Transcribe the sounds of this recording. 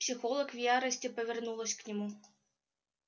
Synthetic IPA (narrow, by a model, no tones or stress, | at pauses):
psʲɪxolˠəkvjaɾəsʲtʲɪpəvʲɪrnulˠəsʲknʲɪmu